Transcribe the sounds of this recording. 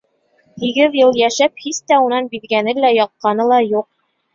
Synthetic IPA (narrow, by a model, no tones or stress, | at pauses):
hiɡɘðjɤlˠjæʃæp̚hist̪æunɑnbiðɡænɘlæjɑq̪̚qɑnɤlˠɑjuq̚